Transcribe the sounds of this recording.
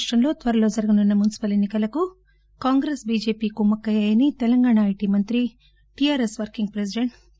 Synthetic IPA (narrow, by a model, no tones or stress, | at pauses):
ʂʈɾɐmlo̞ːt̪ʋɐɾɐlo̞ːd͡ʒɐɾɐɡɐnunːɐmunisi̥pɐle̞nːikɐlɐku | kaːŋɡɾeːsbiːd͡ʒe̞ːpiːkumːɐkːɐjɐːjɐnit̪ɛlɐŋɡaːɳaɐjʈiːmɐnt̪ɾi | ʈiaːɾesʋɐɾkiŋɡ̚pɾes̬iɖeɳʈ